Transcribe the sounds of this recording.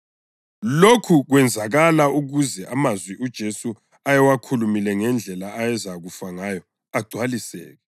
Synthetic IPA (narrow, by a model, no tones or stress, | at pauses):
lokʰuɣwɛnd͡zʱaɣalauɣuzɛʔamazwiʔud̥ʒ̥ʱesu | ajɛwakʰulumilɛŋɛnd͡ɮʱɛlaːjɛzaɣufaŋajɔ | aɡ͡ǀʱwalisɛ̰ːɣɛ